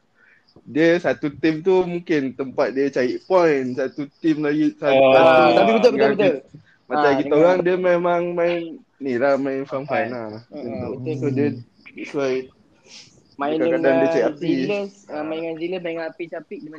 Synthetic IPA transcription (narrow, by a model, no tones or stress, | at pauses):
diəsat̪ut̪ɪmt̪umũŋkɪnt̪əmpat̪̚diət͡ʃaiʔpɔjnsat̪ut̪imlaɡisat̪uaat̪apibət̪əbəəbət̪ə | maakit̪aoɣaŋdiəmemaŋmaɪnː | ilahmaɪnfamfajnalahənt̪usodiə | suaj | maikakadandiət͡ʃaiʔapiləsmaiŋanziləsmaiŋanapit͡ʃapik̚dim